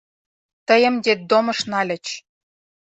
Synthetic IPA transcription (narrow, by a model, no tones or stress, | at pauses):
t̪ə̆jə̆mdʲed̪omɤ̆ʃnɑlʲɘ̆t͡ɕ